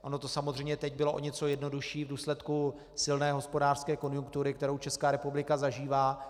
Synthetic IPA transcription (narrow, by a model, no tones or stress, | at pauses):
ʔo̞no̞t̪o̞samo̞zrɛjmɲɛt̪ɛɟbɪloʔo̰ɲɛt͡so̞jɛdno̞duʃiːvduːslɛt̪ku | sɪlnɛːɦo̞spo̞daːr̥skɛːko̞njuŋk̚t̪uɾɪkt̪ɛɾo̞wt͡ʃɛskaːɾɛpublɪkazaʒiːvaː